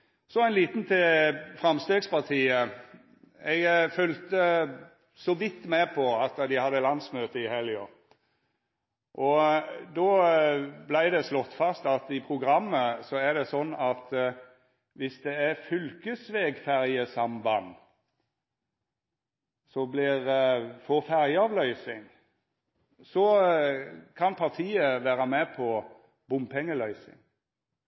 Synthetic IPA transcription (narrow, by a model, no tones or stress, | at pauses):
sɔæɪnliːt̪nt̪ʰɪfʁɑmst̪eːɡspɑʁt̪ʰiːə | ɛɡfœlt̪ə | sɔʋɪt̪ːmepʰɔɑt̪ːd̪ɪhɑd̪ːəlɑnsmøːt̪əɪhɛljɔ | ʔɔd̪ɔ | blæɪd̪ɛslɔt̪ːfɑst̪ɑt̪ɪpʰʁʊɡɾɑmːəsɔæd̪ɛsɔnːɑt̪ | ʋɪsd̪ɛæfʏlkəsʋeːɡfæʁjəsɑmbɑn | sɔblɪʁfɔfæʁjəɑːʋlœʏsɪŋ | sɔ | kʰɑnpʰɑʁt̪ʰiːəʋæːɾɑmɛpʰɔ | bʊmpʰɛŋːəlœʏsɪ̰ŋ